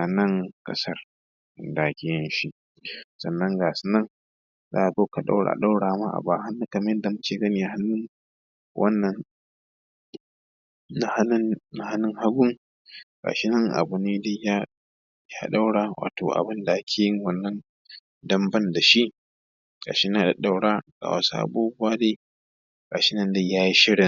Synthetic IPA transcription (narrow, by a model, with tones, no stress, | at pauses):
ʔa˨nɐ˦ŋkʼɐ̰˦sɐ˦r | da˨˦kʲe˨jɛ˦nʃi˦ʔ | sɐ˨nːɐ˦ŋɡaː˨su˦nɐ˦ŋ | za̰ː˦ʔa˨oː˦ka˨ɗa̰˦wɽa̰ː˨ɗa˦wɽaː˨ma˦ʔa̰˨baː˨ha˦nːu˦kɐ˨ma˦ɛ˦nda˨mʊ˦t͡ʃeː˨ɡɐ˦ni˨ja˦˨ha˦nːʊ˦ŋ | wʔɐ̰˦nːɐ˦n | na˦˨ha˦n˦na˨ha˦nːʊ˦ŋha˦ɡʷʊ˦ŋ | kʼa̰ː˨ʃɪ˦nɐ˦ŋʔa̰˨bʊ˨neː˦da˦jaː˦ | jaː˦ɗa˦wɽaː˨wʔa̰ː˨tʰoː˨ʔa̰˨bɪ˦nda˨ʔa˦kʲʰeː˨jɪ˦ŋwɐ˨nːɐ˦n | dɐ˦mbɐ˦nda˨ʃi˦ʔ | kʼa̰ː˨ʃɪ˦naː˦˨da˨ɗa˦˨wɽaː˦ɡʼa̰ː˨wa̰˨sa̰˦ʔa̰˨buː˦bʊ˦waː˦deː˦ | kʼa˨ʃɪ˦nɐ˦nda˦jaː˦ji˦ʃɪ˦ɽɪ˨ŋ